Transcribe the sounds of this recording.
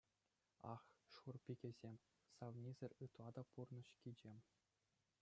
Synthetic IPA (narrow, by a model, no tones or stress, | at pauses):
ɑ̰χʂurpʲiɡʲĕzʲemʲ | sɑʋnʲizʲɘ̆rʲɯt̪lˠɑd̪ɑpurnɤ̆ɕkʲid͡ʑemʲ